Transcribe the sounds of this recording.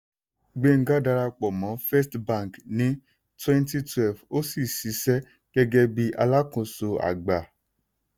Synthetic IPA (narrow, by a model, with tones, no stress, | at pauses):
ɡ͡be˦˨ŋ̩˦ɡa˦da˧ɾa˧k͡pɔ˨mɔ̃˨˦fɛ˦stbã˦˨knĩ˨˦ | twɛ̃˦nti˦twɛ˨lvo˦si˦˨si˧˦sɛ˦ | ɡ̥ɛ˦ɡɛ˦bi˦ʔa˧la˦kũ˧so˧a̰˨ɡ͡ba˨